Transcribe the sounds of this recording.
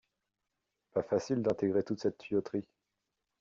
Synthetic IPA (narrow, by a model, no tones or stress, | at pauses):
pafasild̪ɛ̃t̪eɡʁet̪ut̪sɛt̪ːʰɥyɔt̪χi